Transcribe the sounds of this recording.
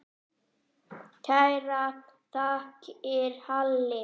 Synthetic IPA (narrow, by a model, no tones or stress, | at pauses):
t̪ʰajrat̪t̪ʰaːkɪɾhalːɪ